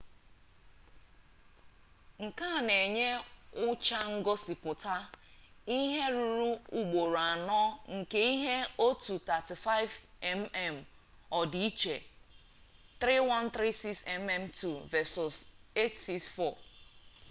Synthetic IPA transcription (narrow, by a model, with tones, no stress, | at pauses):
ŋ̩˨ka˦˨ne˨ɲe˦ʊ˦t͡ʃa˦ŋ̩˦ɡɔ˦sɪ˨pʊ˨ta˦ | i˦ɦe˦ɾu˦ɾu˦u˨ɡ͡bo˨ɾa˨nɔ˦ŋ̩˨ke˦i˦ɦe˦o˦tu˨ta˨ti˨fa˦ɪ˦vɛ˦mɛ˦m̩˨ | ɔ˨di˨i˦t͡ʃe˨ | t̪ɾi˦wa˦n˦t̪ɾi˦si˦ksɛ˨mɛ˦mtu˨vɛ˦˨sɔ˨se˦tsi˦ksfɔ˦˨